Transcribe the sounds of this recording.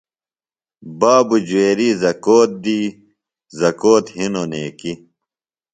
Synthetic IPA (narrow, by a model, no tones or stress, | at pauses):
baːbud͡ʑuweːɾiːzɐkoːt̪̚d̪iː | zɐkoːt̪hinoneːki